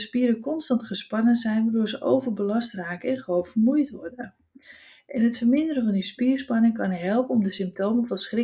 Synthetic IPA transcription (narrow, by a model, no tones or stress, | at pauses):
əspiəɾəkɔnstɑntχəspɑnənzɛjnʋadʊːɹzəʔowvərbəlɑstraːkəɛnχowpfərmujtʋɔrdə | ʔɛnɦətfərmɪndəɾəvɔndispiərspɑnɪŋkɑnɦɛlˠpənɔmdəsɪmp̚towməvɔnsχrɪ